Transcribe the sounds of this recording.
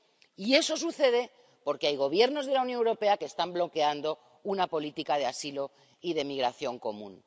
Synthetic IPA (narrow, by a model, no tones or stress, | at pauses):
ie̞so̞s̬uθe̞ð̞e̞ | po̞ɾke̞ajɣ̞o̞β̞je̞ɾno̞zð̞e̞launjoŋewɾo̞pe̞akeːst̪amblo̞ke̞and̪o̞ | unapo̞lit̪ikaðe̞asilo̞ | iðe̞miɣ̞ɾaθjo̞ŋko̞mṵ̃n